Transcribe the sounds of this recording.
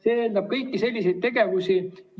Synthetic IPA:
se̞ːeːnd̪ɑb̥̚kɤjkːise̞lʲːise̞jt̪̚t̪e̞ɡe̞vusi

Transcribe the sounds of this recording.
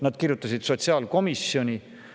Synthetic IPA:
nɑd̪̥kirjut̪ːˑɑsid̪̥so̞t̪siɑːlko̞misjo̞nʲi

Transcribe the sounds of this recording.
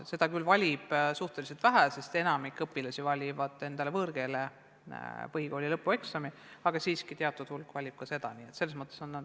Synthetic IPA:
se̞d̪̥ɑkylvɑlʲib̥suht̪elise̞lt̪væɦæse̞st̪e̞nɑmikːˑɤpːˑilɑsʲivɑlʲivɑd̪̥ˑe̞nd̪̥ɑle̞vɤrɡ̥e̞le̞ | pɤɦiko̞ːlʲilɤpːˑue̞ksɑmi | ɑɡ̥ɑsiːskit̪eɑt̪ːˑud̪̥hulkvɑlʲib̥̚kɑse̞d̪ɑ̰niːet̪se̞lːesmɤt̪ːˑeso̞nːɑd̪

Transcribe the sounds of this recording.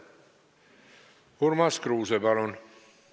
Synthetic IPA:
huɾmɑskɾuːsebɑlon

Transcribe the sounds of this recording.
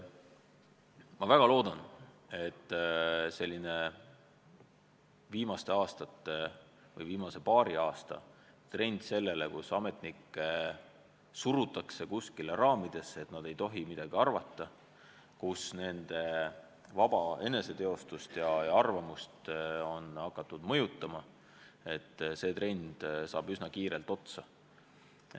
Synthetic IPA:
mɑvæɡ̥ɑloːd̪̥ɑn | e̞t̪ːse̞lʲːine̞ | viːmɑst̪e̞ɑːst̪ɑt̪ːe̞ | vɤ̰jviːmɑse̞pɑːɾiɑːst̪ɑ̰ | t̪re̞nʲd̪̥se̞lːe̞le̞kusɑme̞t̪nikːˑe | suɾut̪ːˑɑkse̞kuskilerɑːmid̪̥e̞se̞t̪nɑd̪̥e̞jt̪o̞ɦimid̪̥ɑɡ̥iɑrvɑt̪ːɑ | kusne̞nd̪̥e̞ | vɑb̥ɑe̞ne̞se̞t̪e̞o̞st̪ust̪jɑjɑrvɑmust̪o̞nɑkːˑɑt̪ːˑud̪̥mɤ̞jut̪ːˑɑmɑ | e̞t̪ːˑse̞ːt̪re̞nʲd̪̥sɑ̰ːb̥ysnɑkiːɾelt̪o̞t̪sɑ

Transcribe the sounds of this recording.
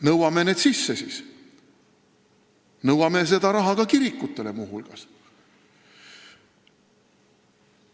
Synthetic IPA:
nɤwɑme̞neːd̪sisːesis | nɤwɑme̞s̬e̞d̪̥ɑɾɑɦɑkɑkiɾikːˑut̪ːˑe̞le̞muːɦulɡ̥ɑs

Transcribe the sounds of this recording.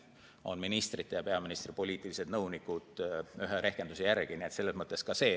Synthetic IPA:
o̞̰nminist̪rit̪ːˑe̞jɑpe̞ɑminist̪ripo̞lʲiːt̪ːˑilise̞d̪̥nɤwnikˑud̪̥yɦeɾe̞hkend̪usejærɡ̥iniet̪se̞lːe̞smɤt̪ˑːe̞skɑse̞ː

